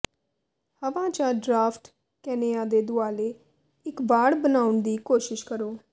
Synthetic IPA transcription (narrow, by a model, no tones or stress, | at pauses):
həʋãːt͡ʃãːɖɾaːpʰʈ | kɛːneːaːd̪eːd̪ʊaːleː | ɪkbaːɽbənaːʊɳd̪iːkoːʃɪʃkəɾoː